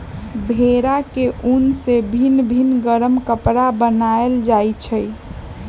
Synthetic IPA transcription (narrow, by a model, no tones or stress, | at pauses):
bʱeɾakeʔunsebʱinbʱinɡəɾəmkəpɾabənaeld͡ʒat͡ʃʰəj